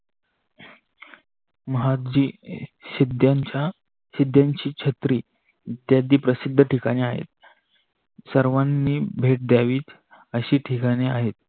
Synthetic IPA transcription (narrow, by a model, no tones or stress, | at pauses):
məɦad̪d͡ʑiːsid̪jaɲt͡ɕja | sid̪ʱjaɲt͡ɕiːt͡ɕʰət̪ɾiː | t̪jad̪iːpɾəsid̪ʱːəʈikaɽ̃iaɦḛt̪̚ | səɾʋanːiːbʱeʈ̚d̪jaʋiːt͡s | əɕiːʈʰikaɽ̃iaɦet̪̚